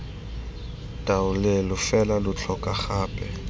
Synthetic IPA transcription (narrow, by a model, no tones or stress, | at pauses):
tʼaʊlɪlʊfɛlalʊt͡ɬʰɔkʼaχaːpʼɛ